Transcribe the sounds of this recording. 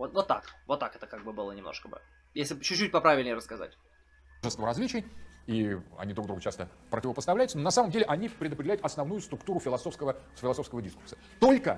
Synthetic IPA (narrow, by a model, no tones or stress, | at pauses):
vot̪vot̪ːa̰kvot̪ːakɛt̪əkaɡ̚bɨbɨlˠənʲɪmno̰ʂkəbɨ̰ | jesʲlʲɪt͡ɕʊt͡ɕːut̚ʲpɐpɾavʲɪlʲnʲɪjɾəskɐza̰tʲ | ʐəst̪vəɾɐzʲlʲit͡ɕɪjiɐ̰nʲid̪ɾuɡd̪ɾuɡət͡ɕast̪əpɾətʲɪvəpəst̪ɐvlʲæjʊtsənonɐsaməmdʲelʲɪʔɐnʲipɾʲɪd̪əpɾʲdʲɪlʲæjʊt̪ɐsnɐvnujʊst̪ɾʊkt̪uɾʊfʲɪlˠɐsofskəvəfʲɪlˠɐso̞fskəvədʲiskursə̥ | t̪o̞lʲkə̰